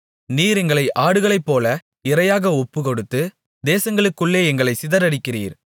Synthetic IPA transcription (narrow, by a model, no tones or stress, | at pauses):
niːɾɛŋɡɐɭɐɪʔaːɽɯɣɐɭɐɪpːoːlɐ | ɪɾɐjaːɣɐɔpːɯkɔɽɯt̪ːɯ | d̪eːsɐŋɡɐɭɯkːɯɭːeːɛŋɡɐɭɐɪsɪðɐɾɐɽɪkːɪrḭːɾ